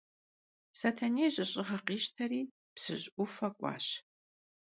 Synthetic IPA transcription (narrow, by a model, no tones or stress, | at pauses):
sɐtʰɐneːʑʼɨɕʼɪʁɐqiːɕtʰɐɾiː | psɨɕʼʊfɐkʷʼɑ̰ːɕ